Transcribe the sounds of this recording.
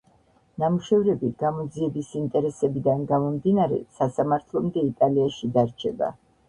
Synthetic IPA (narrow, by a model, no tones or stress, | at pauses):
namuʃɛvɾɛbiɡ̥amɔd̪ziɛbisint̪ʼɛɾɛsɛbid̪anɡamɔmd̪inaɾɛ̰sasamaɾt̪ʰlˠɔmd̪ɛit̪ʼaliaʃid̪aɾt͡ʃʰɛba̰